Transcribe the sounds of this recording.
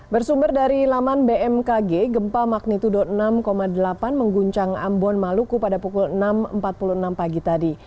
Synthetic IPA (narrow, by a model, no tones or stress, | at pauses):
bərsumbərdaɾilamanbeɛmkaɡeɡəmpamak̚nit̪udɔənamkomadəlapanməŋɡuɲt͡ʃaŋa̰mbɔnmalukupadapukulənamə̰mpat̪̚puluənampaɡit̪adi